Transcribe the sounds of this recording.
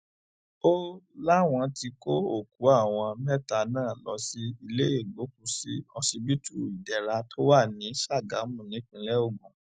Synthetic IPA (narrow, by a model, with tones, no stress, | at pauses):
o˦la˦w̃ɔ̃˧ti˧ko˦o˦˨ku˨˦a˦˨w̃ɔ̃˧mɛ˦ta˧˨nãː˦˨lɔ˧˦si˦i˧le˦e˦˨ɡ͡bo˨˦k̚u˧˦si˨˦ɔ˧si˧bi˦tu˦˨i˨dɛ˨ɾa˧tʰo˦wa˦˨nĩ˨˦ʃa˦˨ɡa̰˨˦mũ˨nĩ˨˦kĩ˧˦lɛ˦o˦˨ɡũ˨